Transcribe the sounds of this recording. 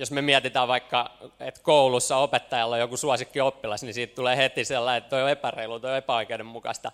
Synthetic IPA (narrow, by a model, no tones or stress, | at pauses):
josmemiæt̪it̪æːʋʋɑikːɑet̪koulusːɑopet̪ːɑjɑlːojjokusuɑsikːiopːilɑsnisiːt̪t̪uleːhet̪isielːɑiet̪t̪oioepæreilut̪oiepæoikeudemmukɑ̰st̪ɑ